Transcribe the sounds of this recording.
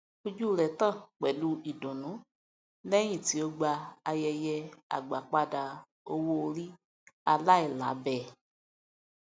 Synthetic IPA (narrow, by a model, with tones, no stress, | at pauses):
o˦d͡ʒu˦˨ɾɛ˨tã˦˨k͡pɛ˨lu˧˦i˨dõ˨nũ˨˦ | lɛ˦j̃ĩ˦˨ti˨˦o˧ɡ͡ba˧a˧jɛ˧jɛ˧a̰˨ɡ͡ba̰˨k͡pa˧da˧ | o˧wo˦˧ɾi˦ | a˧la˦i˨la̰˨˦bɛ˦˨